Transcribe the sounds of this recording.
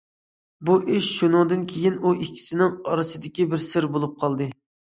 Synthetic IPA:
buʔɪʃʃunɨŋd̪ɨnkʲʰejinuikʲʰːi̥sɪnɪŋɑɾɨsɨd̪ɪkʲibɪɾsɪɾbolˠup̚qʰɑlˠd̪ɨ

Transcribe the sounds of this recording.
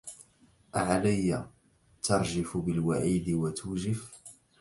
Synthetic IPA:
ʔaʕalajːa | t̪ɑɾˤd͡ʒɪfʊbɪlwaʕiːd̪ɪwat̪ʰuːd͡ʒɪf

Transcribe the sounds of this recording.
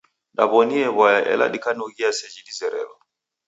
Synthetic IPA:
ɗa̰βɔniɛβwajaʔɛ̰la̰ɗikanuɣiasɛd͡ʒidizɛɾɛ̰lɔ

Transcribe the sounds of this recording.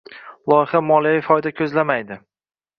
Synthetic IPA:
lˠɒjɪχamɒlajfɒjd̪akʲʰɵzlamajd̪ɪ

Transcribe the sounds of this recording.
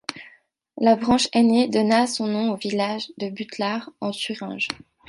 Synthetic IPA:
labʁɑ̃ʃɛned̪ɔnasɔ̃nɔ̃ovilaʒd̪əbyt̪laʁɑ̃syʁɛ̰̃ʒ

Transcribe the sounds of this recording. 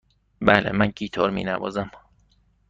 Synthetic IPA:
bæːlḛmæncʰiːt̪ʰɒːɾmḭːnævɒ̰ːzæm

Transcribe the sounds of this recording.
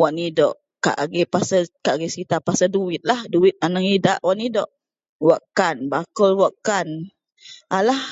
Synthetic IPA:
waʔnidɔ̰ʔ | ka̰ʔaɡɛpasəkaʔaɡɛsit̪apasəduwɪt̪̚lahduwit̪̚anəŋidaʔwaʔnidɔʔ | waʔkanbakɔlwaʔkan | ʔalah

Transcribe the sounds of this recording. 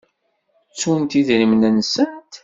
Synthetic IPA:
t͡sːunt̪iðɾimnənsənt̪

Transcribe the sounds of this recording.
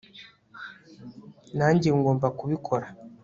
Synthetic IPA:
naːɲɟeŋɡoːmbakuβikʰo̞ɾa

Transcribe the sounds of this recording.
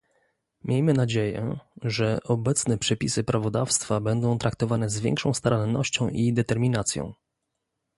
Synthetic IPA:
mʲjejmɘnad͡ʑejɛ̰ʐɛʔɔbɛt̪snɛpʂɛpʲisɘpɾavɔd̪afst̪fabɛnd̪ɔ̃w̃t̪ɾak̚t̪ɔvanɛzvʲjɛ̰ŋkʂɔ̃w̃st̪aɾanːɔɕt͡ɕɔ̃w̃ʔid̪ɛt̪ɛɾmʲinat̪sʲjɔ̰̃w̃

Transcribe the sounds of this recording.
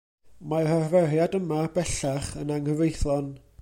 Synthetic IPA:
mararvɛrjadəmabɛɬaχənaŋəvejθlɔn

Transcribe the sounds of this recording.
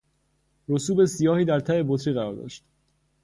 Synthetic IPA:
ɾo̞suːbe̞sijɒːhiːd̪æɾt̪ʰæe̞bot̪ʰɾiɣæɾɒːɾd̪ɒ̰ʃt̪

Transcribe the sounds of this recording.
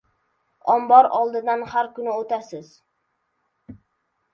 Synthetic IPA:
ɒmbɒɾɒlˠd̪ɪd̪anhaɾkʊnɪot̪asɪz

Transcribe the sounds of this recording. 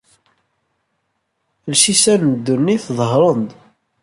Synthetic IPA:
lʃisænd̪ːunːiθðˤəɦɾˤənd̪

